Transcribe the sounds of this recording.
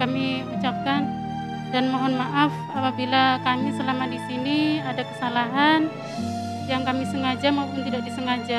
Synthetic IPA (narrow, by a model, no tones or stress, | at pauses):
kamiut͡ʃap̚kan | danmoɦɔnmaʔaf | apabilakamisəlamadisiniadakə̥salaɦan | jaŋkamisəŋad͡ʒamaupʊnt̪idak̚disəŋad͡ʒa